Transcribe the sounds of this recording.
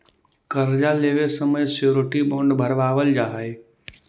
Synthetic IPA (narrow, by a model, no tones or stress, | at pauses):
kəɾd͡ʒaleːʋesəməjsjoːɾʈibɔ̃ːɳɖbʱəɾʋaːʋəld͡ʒaːɦae